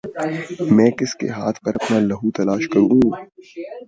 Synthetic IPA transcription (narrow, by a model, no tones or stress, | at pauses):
mɛ̃ːkɪskḛɦaːt̪ʰpɐɾɐpnaːlɐɦut̪ɐlaːʃkɐɾũː